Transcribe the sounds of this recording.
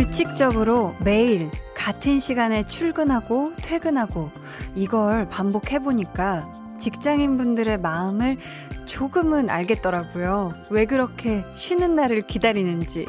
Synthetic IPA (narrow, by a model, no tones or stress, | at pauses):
ut͡ɕʰik̚t͡ɕ͈ʌɡɯɾome̞iɭkatʰɯnɕʰiɡane̞t͡ɕʰuɭɡɯnɦaɡotʰwe̞ɡɯnɦaɡo | iɡʌɭpambokʰe̞boɲik͈a | t͡ɕik̚t͡ɕ͈aŋinbundɯɾe̞maɯmɯɭ | t͡ɕoɡɯmɯna̰ɭɡe̞t̚t͈ʌɾaɡojowe̞ɡɯɾʌkʰe̞ɕʰɥinɯnːaɾɯɭkidaɾinɯnd͡ʑi